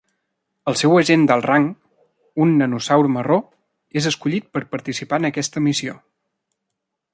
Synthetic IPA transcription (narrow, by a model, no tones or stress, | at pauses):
əlˠsɛwəʒend̪əlˠraŋ | unːənusawɾməro | ezəskuʎit̪̚pəɾpəɾt̪isipanəkɛst̪əmisio